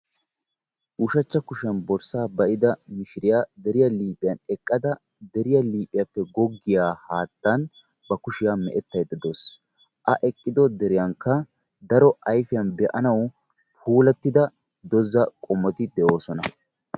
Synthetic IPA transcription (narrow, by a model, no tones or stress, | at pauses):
uʃɐt͡ʃːɐkʊʃɪjɐnbɔɾsaːbɐʔɪd̪ɐmɪʃɪɾɪjaːd̪ɛɾɪjɐliːpʼɪjɐnɛkʼːɐd̪ɐ | d̪ɛɾɪjɐliːpʼːɪjɐpːɛɡɔɡːɪjaːhaːt̪ːɐn | bɐkʊʃɪjaːmɛ̰ʔɛt̪ːɐjd̪ːɐd̪oːs | ʔɐʔɛkʼːɪd̪ɔd̪ɛɾɪjaŋkːɐ | d̪ɐɾɔʔɐjfɪjɐnbɛʔɐnɐw | pʰuːlɛt̪ːɪd̪ɐ | d̪ɔzːɐkʼɔmːɔt̪ɪd̪ɛʔo̞ːsɔnɐ